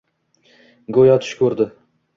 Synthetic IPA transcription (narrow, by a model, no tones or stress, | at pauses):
ɡojɒt̪ʰʊ̥ʃkʲʰɵɾd̪ɪ